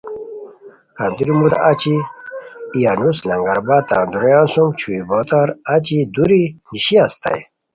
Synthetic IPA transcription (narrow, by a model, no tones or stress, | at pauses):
kand̪uɾimud̪at͡ɕiː | januslɐ̃ŋɡɐɾbat̪ã̰ːnd̪uɾɐjãːnsumt͡ɕʰuibot̪aɾat͡ɕid̪uɾiniɕiast̪a̰j